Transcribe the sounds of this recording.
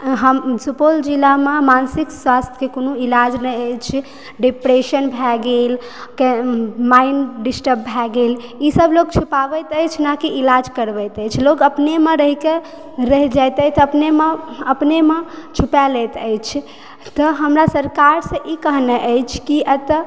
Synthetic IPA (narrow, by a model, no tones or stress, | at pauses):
ɦəmsupold͡ʒilamemansikswast̪ʰjkekonoilad͡ʒnɛəjt͡ʃʰ | ɖipɾeʃənbʱɛɡel | kmainɖisʈəp̚bʱɛɡelisəblok̚t͡ʃʰupabət̪əjt͡ʃʰnakiʔilad͡ʒkəɾbəjt̪əjt͡ʃʰlokəpnemeɾəɦike | ɾəɦid͡ʒajt̪əjt̪əpnemeəpnemet͡ʃʰupɛləjt̪əjt͡ʃʰ | t̪əɦəmɾasəɾkaɾsə̃ʔikəɦnɛʔəjt͡ʃʰkiʔət̪